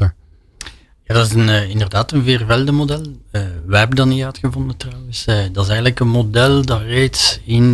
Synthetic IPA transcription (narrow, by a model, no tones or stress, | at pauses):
jaːdɑtɪzənːɪndərdaːtənveːrvɛlˠdəmodɛlˠəːwɛbədɑnːitœːtxəvɔndətrɑwəsdɑɪsɛjɣələkənmodɛlˠdɑreːtsɪn